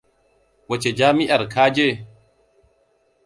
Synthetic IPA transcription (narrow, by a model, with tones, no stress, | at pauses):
wɐ˨t͡ʃe˨d͡ʒaː˦mɪ˦ʔa˨ɾkʰaː˦d͡ʒe˦˨